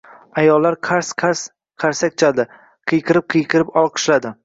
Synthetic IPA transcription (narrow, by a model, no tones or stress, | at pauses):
ajɒlːaɾqʰaɾsqʰaɾs | qʰaɾsak̚ʲt͡ʃʰad̪ɪ | qʰɨjqʰɨɾɪp̚qʰɨjqʰɨɾɪpɒlˠqʰɨ̥ʃlad̪ɪ